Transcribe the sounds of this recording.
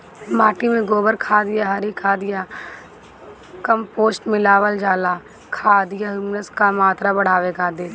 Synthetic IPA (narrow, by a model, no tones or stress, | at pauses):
maːʈimẽɡoːbəɾkʰaːd̪ɪjaɦəɾikʰaːd̪ɪja | kəmpoːsʈmɪlaːʋəld͡ʒaːlaː | kʰaːd̪ɪjaɦuːmnəskamaːt̪ɾabəɽ̤aːʋekaːd̪eː